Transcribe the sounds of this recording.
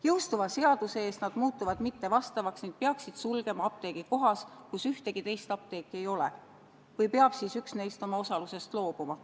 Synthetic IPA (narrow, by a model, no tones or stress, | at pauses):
jɤwst̪uvɑse̞ɑd̪̥useeːst̪nɑd̪̥muːt̪ːˑuvɑd̪̥mit̪ːe̞vɑst̪ɑvɑksnid̥̪̚peɑksid̪̥sulɡ̥e̞mɑɑp̚t̪e̞ːɡ̥iko̞ɦɑskusyht̪e̞ɡ̥it̪e̞jst̪ɑp̚t̪e̞ːkːˑie̞jo̞lḛ | vɯjpeɑb̥siːsyksnejst̪o̞mɑo̞sɑluse̞st̪lo̞ːb̥umɑ